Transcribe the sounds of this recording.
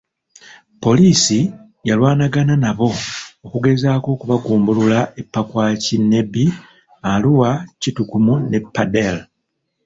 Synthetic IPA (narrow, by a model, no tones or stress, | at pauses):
po̞liːsi | jalwaːnaɡananaβo̞ːkuɡe̞zaːko̞kuβaɡuːmbululaepːakwaːcinːe̞bi | aluwacitukumune̞pːadel